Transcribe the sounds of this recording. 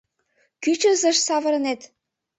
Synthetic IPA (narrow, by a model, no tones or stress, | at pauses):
kyt͡ɕə̆zə̆ʃsɑvɤ̆ɾɤ̆net̪